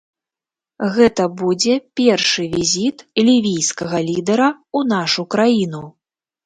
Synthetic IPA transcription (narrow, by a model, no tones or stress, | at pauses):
ɣɛt̪ɐbud͡zʲɛpʲɛrʂɨvʲizʲit̪lʲivʲijskɐɣɐlʲid̪ɐɾɐ | unaʂukɾajin̪u